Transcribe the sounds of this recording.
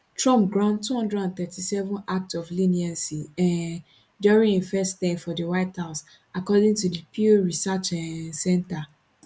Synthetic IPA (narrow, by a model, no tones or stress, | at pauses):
tɹɔ̃mp̚ɡɹãʊ̃ndtʰːuhɔ̃ndɹɛdãnθɛtʰisɛvɔ̃nak̚tɔflĩniãnsiɛ̃n | duɹĩŋifɛstɛ̃mfɔdiwaɪthaʊs | akɔdĩŋtudipʰiɹisat͡ʃɛsɛ̃nta